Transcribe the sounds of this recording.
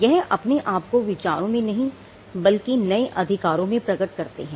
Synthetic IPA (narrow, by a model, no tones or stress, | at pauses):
jɛɦɐ̰pneʔaːp̚koʋɪt͡ʃaːɾõmẽnɐɦĩ | bɐlkinɐeʔɐd̪ʱɪkaːɾõmẽpɾɐɡəʈkɐɾt̪ḛɦɛ̃ː